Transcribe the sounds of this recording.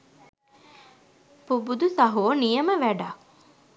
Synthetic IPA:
pubud̪usɐɦoːnijəməʋæɖa

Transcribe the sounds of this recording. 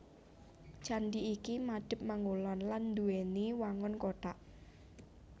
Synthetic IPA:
t͡ʃandiːkimad̥ɪ̤p̚maŋulɔnland̪ueniwaŋɔnkoʈaʔ

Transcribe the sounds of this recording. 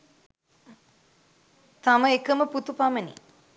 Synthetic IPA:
t̪aməekəməput̪upamənḭ

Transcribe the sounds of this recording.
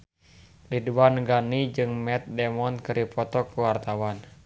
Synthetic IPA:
liduwanɡanid͡ʒɨŋmɛt̪̚dɛmɔnkɨɾipɔt̪ɔkuwart̪awan

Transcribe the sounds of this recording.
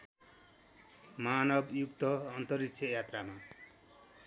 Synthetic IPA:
manʌbjukt̪ʌːnt̪ʌɾikt͡sʰʌjat̪rama

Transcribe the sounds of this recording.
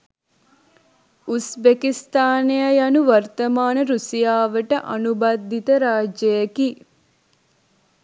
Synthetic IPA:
usbekist̪aːnejɐjɐnuʋɐrt̪ɐmaːnəɾusijaːʋəʈəʔɐnubad̪ʱːit̪əɾaːd͡ʒjɐjɐki

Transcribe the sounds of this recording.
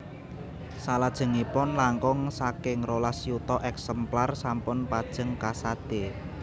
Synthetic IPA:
salad̥ʒ̥ə̤ŋipʊnlaŋkʊŋsakɪŋrolasiut̪ɔʔɛksɛmplarsampʊnpad̥ʒ̥ə̤ŋkasad̪̥e

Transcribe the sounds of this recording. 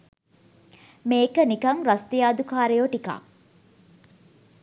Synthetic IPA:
meːkənikɐŋɾɐst̪ijaːd̪ukaːɾejoʈika̰ː

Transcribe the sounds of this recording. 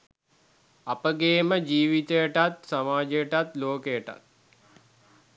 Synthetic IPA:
apəɡeːməd͡ʒiːʋit̪əjəʈat̪samaːd͡ʒejəʈat̪loːkejəʈa̰t̪̚

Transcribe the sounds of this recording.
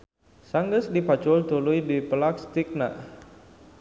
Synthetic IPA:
saŋɡəsdipat͡ʃʊlt̪ulujdipəlakst̪ɪk̚na̰ʔ

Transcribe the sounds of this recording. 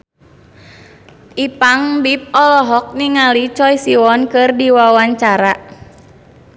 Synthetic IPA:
ʔipaŋbip̚ɔlɔɦɔk̚niŋalit͡ʃɔjsiwɔnkɨrdiwawaɲt͡ʃaɾa

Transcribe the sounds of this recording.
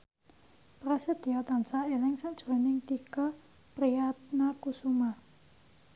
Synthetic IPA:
pɾased̪̥iat̪ansaelɛŋsad̥ʒ̥ṳɾɔnɪŋt̪ikɔ | pɾijat̪̚nakusuma

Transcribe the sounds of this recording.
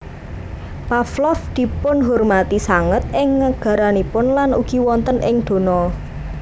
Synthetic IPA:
paflɔfd̪̥i̤pʊnɦurmat̪isaŋət̪̚ʔɪŋːəɡ̥a̤ɾanipʊnlanṵɡ̥i̤wɔnt̪ənɪŋd̪̥o̤nɔ

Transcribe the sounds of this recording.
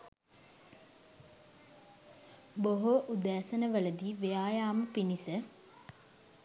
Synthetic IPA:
boɦoʔud̪æːsənəʋələd̪iːʋejaːjaːməpinisə

